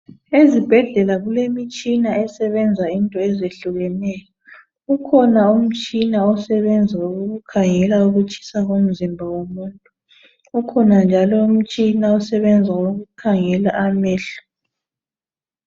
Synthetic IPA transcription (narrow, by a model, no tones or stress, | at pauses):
ezib̥ʱɛɮɛlaɣulemit͡ʃʼinaɛsɛβɛnd͡zʱaintʼɔɛzeɬuɣɛnɛjɔ | ɣukʰɔnaum̩t͡ʃʼinaɔsɛβɛnd͡zʱaoɣuɣukʰaŋɛlauɣut͡ʃʰʼi̥saɣom̩zimbʱawomuːntʼu | ukʰɔnand͡ʒʱalɔum̩t͡ʃʼinaɔsɛβɛnd͡zʱaoɣukʰaŋɛlaʔamɛːɬu̥